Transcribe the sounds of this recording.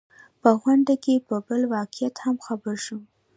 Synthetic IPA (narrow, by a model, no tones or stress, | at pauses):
pəɣwaɳɖakepəbəlwɑqɪjat̪hamxabəɾʃum